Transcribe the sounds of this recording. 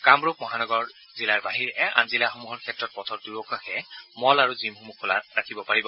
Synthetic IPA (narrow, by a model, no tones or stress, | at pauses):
kamɹok̚mɔɦanɔɡɔɹ | zilaɹbaɦiɹɛʔɛʔa̰nzilaxɔmuɦɔɹkʰɛtɹɔt̚pɔtʰɔt̚duɹokaxɛmɔlaɹuzimɦumukɔla̰ɹakʰibɔpaɹibɔ